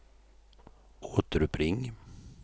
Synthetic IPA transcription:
oːt̪əɾɵpʰɾɪŋ

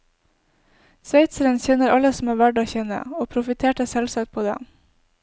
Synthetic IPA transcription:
sʋeɪt̪səɾənçɛnəɾʔɑləsm̩æːɾʋæɖɑːçɛnə̰oːpʰɾʊfɪt̪ʰeːʈəsɛlsɑːkt̪̚pʰoːd̪ɛ̰ː

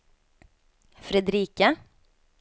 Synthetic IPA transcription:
fɾɛd̪ɾiːkə

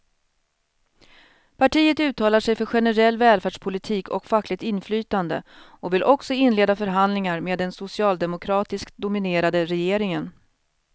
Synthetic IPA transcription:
pʰaʈʰiːət̪ʉ̟ːt̪ʰːɑːlaʂɛjfœɾɧɛnəɾɛlːvɛːlfæːɖʂpʰʊlɪt̪ʰiːkʰɔkfakːlɪɡ̚t̪ɪnflyːt̪and̪ə̰ʔɔvɪlʔɔksɔɪnleːd̪afœɾɦand̪lɪŋaɾmeːd̪ɛnsʊsɪɑːld̪ɛmʊkʰɾɑːt̪ɪskt̪d̪ʊmɪneːɾad̪əɾɛjeːɾɪŋən

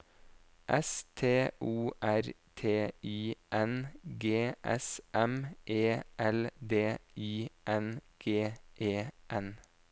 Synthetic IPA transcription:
ʔɛst̪ʰeːʔuːʔæɾ | t̪ʰeːiːʔɛnɡeːʔɛ̰sʔɛmʔeːʔɛld̪eːiːʔɛnɡ̥eːʔeːʔɛn

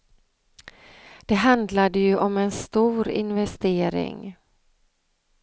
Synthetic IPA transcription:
d̪̥ɛɦand̪lad̪əjɵʔɔmɛnst̪uːɾɪ̰nvɛst̪eːɾɪ̰ŋ

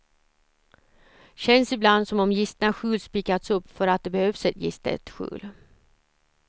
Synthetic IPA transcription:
ɕɛnsɪbland̪sɔmɔmjɪst̪ənaɧʉ̟ːlspiːkat̪sɵpːfœɾat̪̚d̪ɛbɛhøːvsɛt̪jɪ̰st̪ɛ̰t̪ɧʉ̰ːl

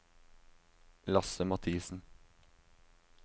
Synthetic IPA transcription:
lɑsəmɑt̪ʰiːsn̩

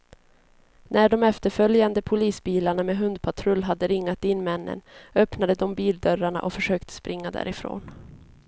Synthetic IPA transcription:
nʔæɖɔmɛft̪əɾfœljand̪əpʰʊliːsbiːlaɳameɦɵnd̪̚pʰat̪ʰɾɵlːɦad̪ːəɾɪŋːat̪ɪnːmɛnːə̰nœpnad̪əd̪ɔmbiːld̪œɾaɳa̰ʔɔfœʂøːkt̪ʰə̥spɾɪŋːad̪æ̰ːɾɪfɾo̰ːn

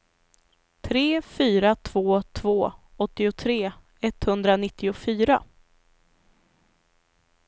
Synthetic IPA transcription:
t̪ʰɾeːfyːɾat̪ʰvoːt̪ʰvoːɔt̪ːɪʊt̪ʰɾeː | ɛt̪ːhɵnd̪ɾanɪt̪ːɪʊfyːɾa̰

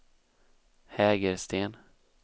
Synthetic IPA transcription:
hɛːɡəɾst̪ʰeːn

